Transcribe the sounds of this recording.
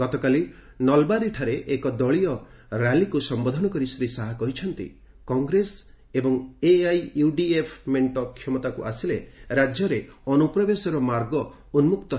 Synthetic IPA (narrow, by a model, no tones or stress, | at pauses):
ɡ̥ɔt̪ɔkali | nɔlbaɾiʈʰaɾeʔekɔd̪ɔɭiɔ | ɾalikusɔmbɔd̪ʱɔnɔkɔɾisɾisaɦakɔɦit͡ʃʰɔnt̪ḭ | kɔŋɡɾes | ebɔŋeajjuɖiepʰmeɳʈɔkʰjɔmɔt̪akuʔasileɾad͡ʒjɔɾeɔnupɾɔbesɔɾɔmaɾɡɔ | unmukt̪ɔ